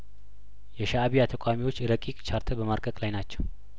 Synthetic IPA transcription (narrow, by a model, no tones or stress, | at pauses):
jɛʃaːβijat̪ʰəkʼamiwo̞t͡ʃːɾəkʼikʼt͡ʃʰaɾt̪ʰəbəmaɾɡʼəkʼlajnat͡ʃːɛw